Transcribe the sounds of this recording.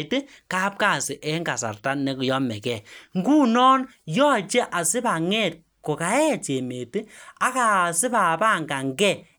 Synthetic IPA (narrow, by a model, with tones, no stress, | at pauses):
te˦ | ka˦p̚ka˦˨sɪ˨ʔɛ˦ŋɡa˨sa̰˨rta˦nɛ˨˦ku˨jɔ˦mɛ˨kɛ˨ŋɡu˦nɔː˦n | jɔ˦˨t͡ʃe˦ʔa˨sɪ˦ba˨ŋɛ˦˨t̚ | ko˨ka˨˦ɛ˦˨t͡ʃe˨me˨te˦a˦ka˦˨sɪ˦pa˨pa˦˨ŋɡa˨ŋɡɛ˦˨